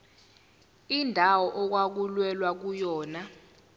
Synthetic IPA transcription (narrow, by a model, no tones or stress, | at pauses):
indʱawɔʔɔk̬wak̬ulwɛlwak̬ujɔːna